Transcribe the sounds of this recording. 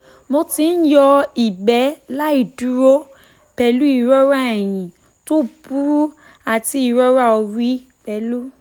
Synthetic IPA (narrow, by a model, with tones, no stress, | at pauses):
mo˧ti˧n̩˦jɔ˧i˨ɡ͡bɛ˨˦la˦i˦˨du˨˦ɾo˦ | pɛ˧lu˦i˧ɾɔ˦ɾa˦ɛ˨j̃ĩ˨ | to˦bu˦ɾu˦ | a˨ti˧i˧ɾɔ˦ɾa˦ɔ˧ɾi˦ | pɛ˧lu˦